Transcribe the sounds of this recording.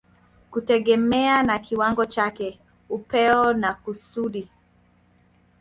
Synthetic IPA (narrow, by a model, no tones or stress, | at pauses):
kutɛɠɛmɛanakiwaŋɡɔt͡ʃakɛ | upɛɔnakusuɗi